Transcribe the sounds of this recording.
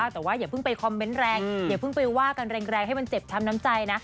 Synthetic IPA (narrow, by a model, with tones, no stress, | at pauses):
t̪ɛː˨˩waː˥˩jaː˨˩pʰɯ˥˩ŋpa˧jkʰaː˧mwe˦˥nɾɛː˧ŋjaː˨˩pʰɯ˥˩ŋpa˧jwaː˥˩ka˧nɾɛː˧ŋɾɛː˧ŋha˥˩jma˧nt͡ɕe˨˩p̚t̪ʰa˧mna˦˥mt͡ɕa˧jna˦˥